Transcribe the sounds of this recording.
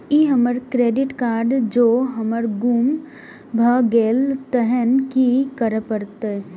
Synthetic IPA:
iːɦəməɾkɾeːɖɪʈkaːɾɖd͡ʒoːɦəməɾɡuːm | bʱəɡeːlt̪əɦənkikəɾəpəɾt̪e

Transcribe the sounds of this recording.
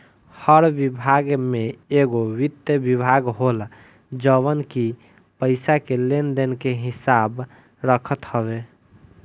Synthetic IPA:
həɾbibʱaɡmeeɡowid̪jəbibʱaɡɦol | d͡ʒəβənki | pəɪsakelend̪enkeɦisab | ɾəkʰət̪həβe

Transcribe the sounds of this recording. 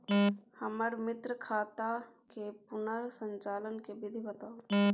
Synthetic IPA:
həməɾmɪt̪ɾəkʰaːt̪a | kepʊnəɾsə̃nt͡ʃaːlənkebɪd̪ʱibət̪ao

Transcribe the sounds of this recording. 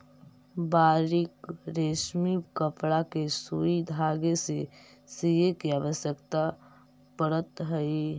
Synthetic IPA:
baːɾikɾeːʃmikəpɽakesuid̪ʱaːɡese | sijekiaːʋəsjəkt̪a | pəɾət̪ɦəi

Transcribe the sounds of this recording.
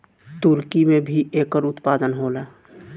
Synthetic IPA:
t̪uɾkimẽbʱiʔekəɾʊt̪paːd̪ənɦoːla

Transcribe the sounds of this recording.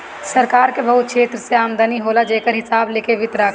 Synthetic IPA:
sɐɾkaːɾkebɐɦʊt̪̚kʃʰeːt̪ɾəseaːmd̪əniɦoːlad͡ʒeːkəɾɦɪsaːbleːkeʋɪt̪ɾaːk

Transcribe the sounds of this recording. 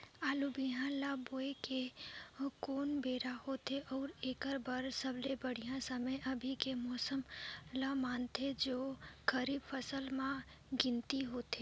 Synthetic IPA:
aːlubiɦãlaboːeke | koːnbeːɾahoːt̪eʔɔːɾeːkəɾbəɾsəblebəɽ̤ijãsəməjʔəbʱikemɔːsəmlamaːnt̪ʰed͡ʒoːkəɾiːbpʰəsəlmã | ɡɪ̃nt̪iɦoːt̪ʰe

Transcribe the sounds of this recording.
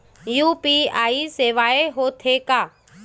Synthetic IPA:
juːpiaːiseːʋaːeɦoːt̪ʰeːkaː

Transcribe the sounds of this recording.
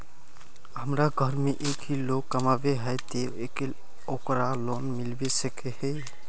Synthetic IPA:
ɦəmɾaɡʱəɾmeʔeːkɦiloɡkːəmabeɦɛjt̪e | ekel | okɾaloːnmɪlbesəkehɛ

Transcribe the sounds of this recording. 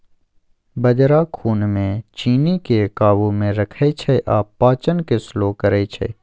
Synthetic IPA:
bəd͡ʒɾakʰuːnmẽt͡ʃiːnikekaːbumẽɾɐkʰet͡ʃʰeʔaːpːaːt͡ʃənkesloːkəɾet͡ʃʰḛː

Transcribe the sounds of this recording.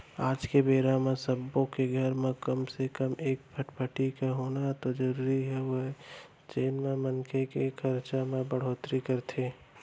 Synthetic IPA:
aːd͡ʒkebeːɾamẽsəbõkeɡʱəɾmẽkəmsekəmeːk̚pʰəʈpʰəʈikeɦoːnat̪od͡ʒəɾuːɾiɦɛwoɦ | t͡ʃeːnmẽmənkʰekekʰəɾt͡ʃamẽbəɽ̤oːt̪ɾikəɾt̪ʰeː

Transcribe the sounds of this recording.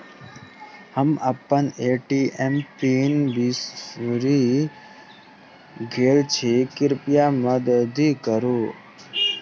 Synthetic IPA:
həməpːəneːʈiempinbisɾi | ɡʱeːlt͡ʃʰikɪɾpijaməd̪əd̪ʱikəɾuː

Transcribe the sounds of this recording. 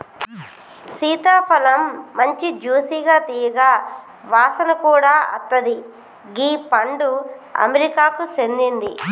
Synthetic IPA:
siːt̪aːpʰɐlɐmːɐɲt͡ʃid͡ʒuːsiːɡaːt̪iːjɐɡaː | ʋaːsɐnɐkuːɽaːɐ̰t̪ːɐd̪i | ɡiːpɐɳɖuɐ̰meɾikaːkut͡ʃend̪ind̪i

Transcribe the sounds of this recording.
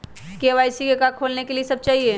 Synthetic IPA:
keeʋaːɪsikekãːkʰoːlnekeliesɐb̚t͡ʃaːɦie

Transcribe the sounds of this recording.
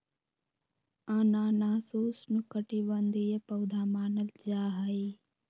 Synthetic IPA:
anãːnaːsoːsnukəʈiʋɐnd̪ijɐpɐwd̪ʱaːmaːnɐld͡ʒaːɦɐi

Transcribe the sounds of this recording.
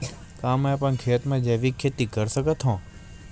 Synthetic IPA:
k̪ãːmẽpə̃nkʰeːt̪mẽd͡ʒeːʋikʰːeːt̪ːiːkəɾsəɡət̪ʰɦõː

